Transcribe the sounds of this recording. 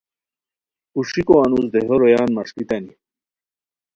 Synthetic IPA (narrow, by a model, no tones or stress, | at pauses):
uʂikoanuzd̪eɦoɾojaːnmaʂkit̪ani